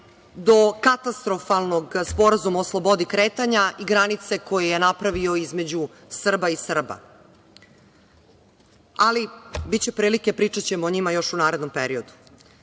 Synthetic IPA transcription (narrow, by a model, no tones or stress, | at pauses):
d̪o̞kat̪ast̪ɾo̞falˠno̞ɡspo̞ɾazumaoslˠo̞bo̞d̪ikɾeːt̪aɲaiɡɾanit̪se̞ko̞jejenapɾaʋio̞izme̞d͡ʑu | sr̩baisr̩ba̰ | alibitt͡ɕe̞pɾiːlike̞pɾiːt͡ʂat͡ɕe̞moːɲimajo̞ʃunaːɾe̞d̪no̞mpeɾiod̪u̥